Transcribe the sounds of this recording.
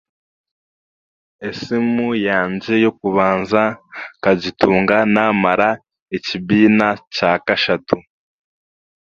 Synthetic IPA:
e̞simujaːɲd͡ʒe̞jo̞k̚uβaːnzakazituːŋɡanamaɾa | ecibiːnacaːkaʃatu

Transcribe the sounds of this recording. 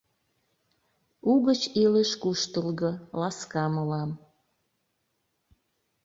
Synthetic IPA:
uɣət͡ɕiləʃkuʃt̪əlɣɤ̆lɑskɑməlɑm

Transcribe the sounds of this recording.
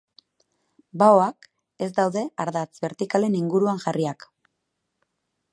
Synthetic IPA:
baoak | e̞zd̪awðe̞aɾðat͡sbe̞ɾt̪ikale̞niŋɡuɾuaŋʝariak

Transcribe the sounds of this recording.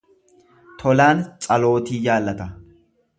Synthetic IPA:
t̪ʰɔlaːnt͡sʼɐlo̞ːt̪iːjaːlːɐt̪ɐ

